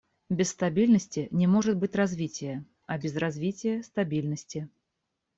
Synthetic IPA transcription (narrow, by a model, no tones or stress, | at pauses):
bʲɪsst̪ɐbʲilʲnəsʲtʲɪnʲɪmoʐɨt̪̚bɨtʲrazvʲitʲɪjə | ɐbʲɪzrazʲvʲitʲɪjəst̪ɐbʲilʲnəsʲtʲɪ